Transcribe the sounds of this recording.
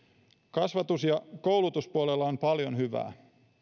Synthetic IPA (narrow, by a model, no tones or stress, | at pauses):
kɑsʋɑt̪usjɑko̞wlut̪uspuolelːɑompɑljonɦyʋæ̰ː